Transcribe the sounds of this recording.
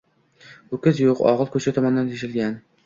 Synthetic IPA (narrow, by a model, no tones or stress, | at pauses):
ʊkʲɪzjoqɒ̰ʁɨlˠkʰɵt͡ʃʰat̪ʰɒmɒnɪd̪ant̪ʰeʃɪlɡʲan